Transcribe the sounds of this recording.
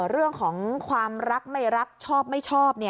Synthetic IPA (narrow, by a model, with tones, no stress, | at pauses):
ɾɯ˥˩əŋkʰɔː˩˦ŋkʰwaː˧mɾa˦˥k̚ma˥˩jɾa˦˥k̚t͡ɕʰɔː˥˩p̚ma˥˩jt͡ɕʰɔː˥˩p̚ni˥˩